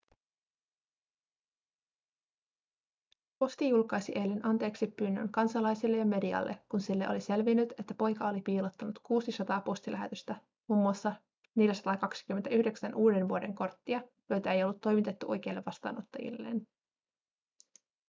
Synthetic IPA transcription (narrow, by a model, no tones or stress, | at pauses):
po̞st̪ijulkɑjsiʔe̞lːenɑnt̪e̞ːksipːynːø̰ŋkɑnsɑlɑjsilːejɑme̞diɑ̰lːe̞̰kkunsilːeʔo̞lise̞lʋinːyt̪e̞t̪ːæpo̞jkɑo̞lipiːlot̪ːɑnut̪kuːsisɑt̪ɑːpo̞st̪ilʔæɦet̪yst̪æ | muːmːuɑsːɑ | neljæsɑ̥t̪ɑːkɑksi̥kymːent̪æʔyhde̞ksænʔuːde̞nʋuode̞̰ŋko̞rt̪ːiɑjo̞jt̪æe̞jo̞lːut̪ːo̞jmit̪et̪ːuʔo̞jk̟e̞ilːeʋɑst̪ɑ̰ːno̞t̪ːɑjḭlːe̞̰ːn